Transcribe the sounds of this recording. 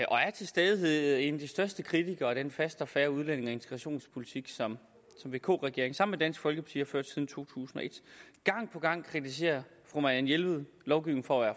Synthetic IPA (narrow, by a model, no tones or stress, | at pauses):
ʔɒ̽æɐt͡sʰe̝lsd̥eðˠe̝nd̥isd̥ɶɐsd̥əkʰʁit͡sʰiɡ̥ɐːɾ̥enfæsd̥ɒ̽fæːɐuð̞ˠlene̝ŋɒ̽e̝nt͡sʰe̥ɡ̥ʁɑɕo̝̰ːnspʰo̝lit͡sʰiɡ̥sɒm | sɒ̽mʋe̝ːkʰo̝̰ːʁɛɡ̥e̝̰ɐeŋsɑ̈m̰n̩med̥æn̰sɡ̥fɒ̽lɡ̥əpʰɑ̈t͡sʰḭːhɑ̈føɐ̰d̥sið̞ˠn̩t͡sʰo̝̰ːt͡sʰṵːsn̩ɒ̽e̝d̥ɡ̥ɑ̈ŋ̰pʰɒ̽ɡ̥ɑ̈ŋ̰kʰʁit͡sise̝̰ːɐfʁomæænjelʋð̩ˠlɒʊɡ̥iʊeŋ̩fɒːʋæɐ̰